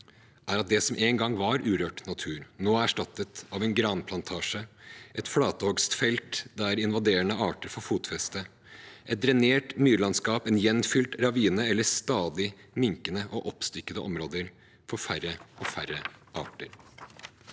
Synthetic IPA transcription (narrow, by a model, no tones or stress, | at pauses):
ʔæːɾɑt̪̚d̪ɛsɔmʔeːŋɡɑŋʋɑɾʉːɾøːʈnɑt̪ʰʉːɾnoːæʂʈɑt̪ːət̪ɑʋɛnɡɾɑnpʰlɑnt̪ʰɑːʂəʔɛt̪flɑːt̪əhɔɡst̪fɛlt̪d̪æɾɪnʋɑd̪eːɾəɳəɑːʈəɾfɔɾfuːt̪fɛst̪ə | ʔɛt̪̚d̪ɾɛneːʈmyːɾlɑnskɑːpɛnjɛnfʏlt̪ɾɑʋiːnəɛlːəst̪ɑːd̪ɪmɪŋkənəʔɔʔɔpst̪ʏkːəd̪əʔɔmɾoːd̪əɾ | fɔɾfæɾəʔɔfærəʔɑ̰ːʈəɾ